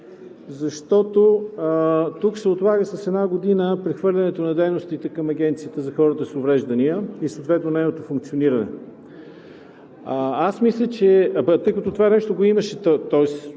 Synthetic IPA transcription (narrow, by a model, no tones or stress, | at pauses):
zɐʃt̪ɔt̪o | t̪uksɛot̪lˠaɡəsɐsɛd̪naɡod̪inəpɾɛxvɤɾlʲɐnɛt̪onɐd̪ɛjnost̪it̪ɛkəmɐɡʲɛnt̪siət̪əzɐxɔɾət̪əsovɾɛʒd̪ɐniəisot̪vɛt̪nonɛnot̪ofuŋk̚t̪sioniɾɐnɛ̰ | asmislʲət͡ʃɛt̪ɤjkɐt̪ot̪ovanɛʃt̪oɡoimɐʃɛt̪ɔɛs